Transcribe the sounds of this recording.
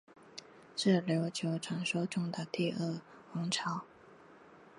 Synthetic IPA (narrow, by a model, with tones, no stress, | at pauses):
ʂɻ̩˥˩ljo˧˥ʊt͡ɕʰjo˧˥ʊʈ͡ʂʰwa˧˥nʂo˥ʊʈ͡ʂʊ˥˩ŋd̪ə˨t̪i˥˧ʔə˥˩ | xʊ˧˥ŋʈ͡ʂʰɑ˧˥˦ʊ